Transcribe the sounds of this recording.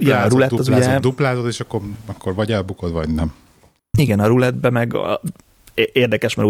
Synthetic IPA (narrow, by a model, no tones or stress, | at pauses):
iɛɒɾulɛt̪ːɒzuɟɛd̪uplaːzod̪eːʃɒkːoɾɛkːoɾvɒɟɛlbukod̪vɒ̰ɟnɛm | iɡɛnɒɾulɛd̪̚bɛmɛɡ̰ | ʔeːrd̪ɛkɛʃmɛɾu